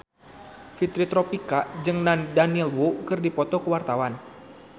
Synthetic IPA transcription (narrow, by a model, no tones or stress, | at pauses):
fit̪ɾit̪ɾɔpikad͡ʒɨŋnandaniɛlwokɨrdipɔt̪ɔkəwart̪awan